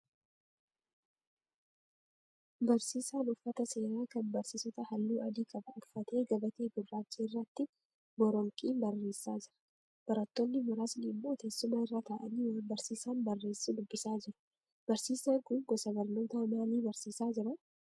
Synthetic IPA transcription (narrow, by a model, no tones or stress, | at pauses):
bɐɾsiːsaːnʊfːɐt̪ɐse̞ːɾaːkɐnbɐɾsiːsɔt̪ɐhɐlːuːʔɐd̪iːkʼɐbɐʊfɐt̪e̞ːɡɐbɐt̪eːɡʊaːt͡ʃːiːɪrːɐt̪ːɪ | bɔɾɔŋkʼiːmbɐrːe̞ːsːaːd͡ʒɪɾɐ̥ | b̥ɐɾɐt̪ːonːɪmʊɾaːsnɪmːo̞ːt̪e̞ːsːʊmɐɪrːaːt̪ʰaːʔɐniːwaːmbɐɾsiːsaːnbɐrːe̞ːsːid̪ʊbːɪsaːd͡ʒɪɾɐ̥ | b̥ɐɾsiːsɐŋkʊŋɡɔsɐbɐɾno̞ːt̪ɐmaːliːbɐɾsiːsaːd͡ʒɪɾɐ